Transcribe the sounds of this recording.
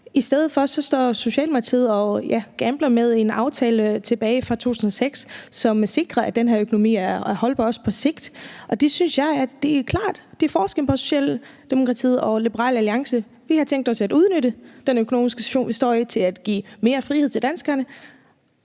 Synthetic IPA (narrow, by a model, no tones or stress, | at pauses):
isd̥eð̞ð̩ˠfɒ̽sɒ̽sd̥ɒ̰ːso̝ɕɛ̰ːlmt͡sʰið̞ˠɒ̽jæɡ̥æmb̥lɐmeð̞ˠe̝nɑ̈ʊt͡sʰɛːlət͡sʰe̝b̥ɛːɪfʁɑ̈t͡sʰo̝̰ːt͡sʰun̩ˠɐseɡ̥ssɒ̽mse̝ɡ̥ʁɐæd̥enɦæɐøkʰo̝no̝mḭːæɐhɒ̽lb̥ɑɒ̽spʰɒ̽se̝ɡ̥d̥ʔɒ̽d̥e̝synsjɑ̈ɪæd̥e̝ækʰlɑ̈ːd̥d̥e̝fɒːsɡ̥ənpʰɒ̽so̝̥ɕɛ̰ːld̥e̝mo̝kʰʁɑ̈t͡sʰḭðˠɒ̽lib̥əʁɑ̰̈ːlæliɑ̈ŋsə | ʋihɑ̈t͡sʰeŋɡ̚d̥ɒ̽sæduð̞ˠnøɾ̥əd̥enøkʰo̝no̰ːmisɡ̥əse̥ɕo̝̰ːnʋisd̥ɒ̰ːit͡sʰe̝læd̥ɡ̥ḭːme̝ːɐfʁiheð̰ˠt͡sʰed̥ænsɡ̥ɐnə